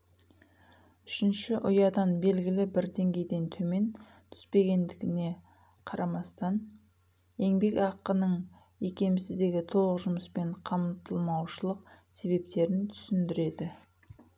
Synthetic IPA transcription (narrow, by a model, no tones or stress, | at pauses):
ʏʃɪnʃɪʔʊjɑd̪ɑnbe̞lɡʲɪlɪbɪɾd̪e̞ŋɡʲe̞jd̪e̞nt̪ʰɵme̞n | t̪ʰʏ̥spe̞ɡʲe̞nd̪ɪɡʲɪne̞ | qʰɑɾʔɑmɑst̪ɑn | e̞ŋbe̞kɑqːənəɴ | e̞kʲe̞mɪsɪzd̪e̞ɡʲɪt̪ʰo̞lˠəqʒʊməspe̞ɴqʰɑmt̪ʰəlˠmɑwʃəlˠəqse̞βe̞p̚t̪e̞ɾɪnt̪ʰʏ̥sɪnd̪ɪɾe̞d̪ɪ